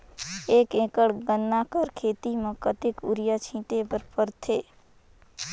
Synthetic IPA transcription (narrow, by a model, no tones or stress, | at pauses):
eːkẽːkəɽɡənːakəɾkʰeːt̪imẽkət̪ɪkṵɾjat͡ʃʰĩːʈepəɾpəɾt̪ʰeː